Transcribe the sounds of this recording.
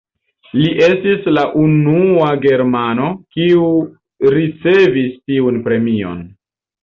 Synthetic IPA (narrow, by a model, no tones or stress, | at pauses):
liʔe̞stislaʔunuaɡe̞ɾmano̞kiu | ɾit͡se̞vistiunpɾe̞mio̞̰n